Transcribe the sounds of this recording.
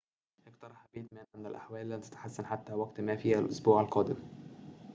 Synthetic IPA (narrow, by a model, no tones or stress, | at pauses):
ʔɪɡt̪ɑɾˤɑħæbeːt̪mæːnʕɪnd̪ælʔaħwæːʔlːæmt̪æ̥t̪ḁħasːænħat̪ːæːwæɡt̪mæfiːhælʔosbuːʕalqɑːd̪ɪm